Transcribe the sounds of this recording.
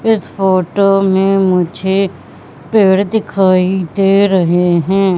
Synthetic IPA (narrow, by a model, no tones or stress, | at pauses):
ɪspoːʈoːmẽmʊd͡ʒʱe | peːɽd̪ɪkʰaːid̪eːɾəɦeɦɛ̃ː